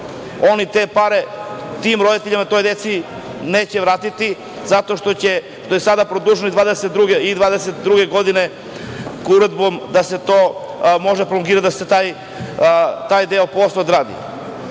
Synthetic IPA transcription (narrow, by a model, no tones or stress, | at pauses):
o̞nit̪epaɾet̪imɾo̞d̪it̪eʎimnat̪o̞jd̪et̪si | neːt͡ɕeʋɾaːt̪it̪i | zat̪o̞ʃt̪ot͡ɕe | ʃt̪o̞jesad̪apɾod̪uʒnoid̪vaːd̪eset̪̚d̪ɾuɡeid̪vaːd̪eset̪d̪ɾuɡeɡo̞d̪ine | kuɾed̪bomd̪aset̪omo̞ʒepɾoloŋɡiːɾat̪d̪aset̪aj | t̪aːjd̪eoposlˠaod̪ɾaːd̪ḭ